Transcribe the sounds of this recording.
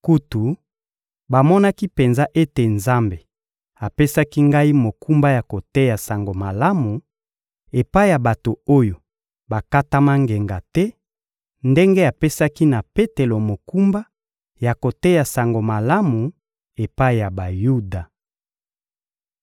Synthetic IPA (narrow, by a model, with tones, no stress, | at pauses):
ku˦tu˨ | ba˨mɔ˦na˦ki˦pe˨nza˦ʔe˦te˨nza˦mbe˨ | a˨pe˦sa˦ki˦ŋɡa˦i˦mo˨ku˦mba˦ja˨ko˨tɛ˦ja˨sa˨ŋɡo˨ma˨la˦mu˨ | e˨pa˦i˦ja˨ba˨to˨o˦jo˨ | ba˨ka˦ta˦ma˦ŋɡe˨ŋɡa˨tɛ˦ | nde˦ŋɡe˦a˨pe˦sa˦ki˦na˨pe˦te˨lo˨mo˨ku˦mba˦ | ja˨ko˨tɛ˦ja˨sa˨ŋɡo˨ma˨la˦mu˨ | e˨pa˦i˦ja˨ba˨ju˦da˨